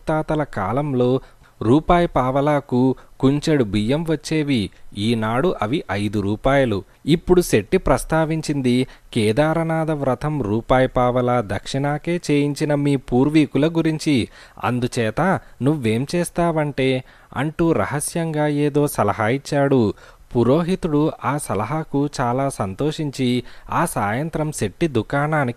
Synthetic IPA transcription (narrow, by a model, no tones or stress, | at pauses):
t̪aːt̪ɐlɐka̰ːlɐmlo̞ː | ɾuːpaːjɐpaːʋɐlaːkukuɲt͡ʃɐɽubʱijɐmʋɐt͡ʃːeːʋiiːnaːɽuʔɐʋiʔɐjd̪uɾuːpaːjɐlu | ipːuɽuse̞ʈːipɾɐst̪aːʋiɲt͡ʃind̪ikɛːd̪aːɾɐnaːd̪ɐʋɾɐt̪ʰɐmɾuːpaːjɐpaːʋɐlaːd̪ɐkʂiɳaːke̞ːt͡ʃe̞ːjiɲt͡ʃinɐmiːpuːɾʋiːkulɐɡuɾiɲt͡ʃiɐ̰nd̪ut͡ʃɛːt̪ɐnuʋːe̞ːmt͡ʃɛːst̪aːʋɐɳʈe̞ː | ɐ̰ɳʈuːɾɐ̰ɦɐsjɐŋɡaːeːd̪o̞ːsɐlɐɦaːit͡ʃːaːɽu | puɾo̞ːɦit̪uɽuʔaːsɐlɐɦɐkut͡ʃaːlaːsɐnt̪o̞ːʂiɲt͡ʃiaːsaːjɐnt̪ɾɐmse̞ʈːid̪ukaːnaːnik